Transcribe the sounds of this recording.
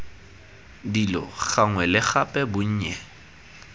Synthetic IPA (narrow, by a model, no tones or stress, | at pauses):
dilɔ̰ɣaŋwɛlɪχapʼɛbʊɲ̩ːɲɛ